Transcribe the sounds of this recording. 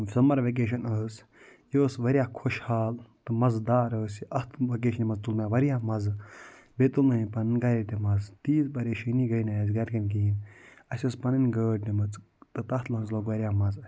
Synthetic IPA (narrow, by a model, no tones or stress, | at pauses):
fʲɐlmɐɾʋek̬eːʃ̬ɐnəːs | joːsʋɐɾʲjaːkʰoʃhaːlt̪ɨmɐzd̪aːɾəːsiɐt̪ʰʋɐk̬eːʃnimɐzt̪ulmʲãʋɐɾijaːmɐz | bet̪ulnɐɦĩpɐnɨnɡɐɾiʈ̪emɐzt̪iːzpɐɾeːʃiniɡɐjnaːzɡɐɾkɐnkiːnɐsʲɐspɐnɨnɡəːɖnʲimɐt͡s | t̪ɨt̪ɐt̪lɐɦnzloːkʋɐɾjaːmɐz